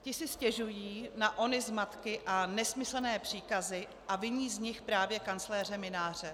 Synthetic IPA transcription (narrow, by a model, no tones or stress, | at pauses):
cɪsɪscɛʒujiːnaʔo̞nɪzmat̪kɪʔanɛsmɪsl̩nɛːpr̝̥iːkazɪ | ʔavɪɲiːzɲɪxpɾaːvjɛkant͡slɛːr̝ɛmɪnaːr̝̥ɛ